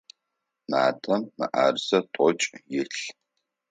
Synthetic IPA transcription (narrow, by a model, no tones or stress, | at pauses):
ma̰ːtʼɐmːɨ̰ʔaːrsɐtʷʼɔt͡ʃʼjɪɬ